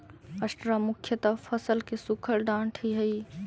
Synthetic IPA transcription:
əsʈɾamʊkʰjət̪əpʰəsəlkesukʰəɾɖãːɳʈʰiɦəi

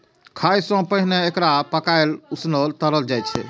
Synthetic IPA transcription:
kʰajsɔ̃pəɦneekɾapəkaelusnəlt̪əɾəld͡ʒajt͡ʃʰɛ̰

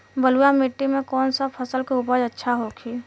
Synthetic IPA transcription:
bəlujamɪʈːimẽkɔːnsapʰəsəlkeʊpəd͡ʒətːʃʰaɦokʰiː

